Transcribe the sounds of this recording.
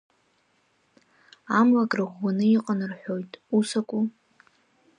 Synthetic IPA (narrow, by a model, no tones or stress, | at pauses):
amlakʼrɨʁʷːanɨiqʼanrħʷᶣo̞jtʼusakʷʼu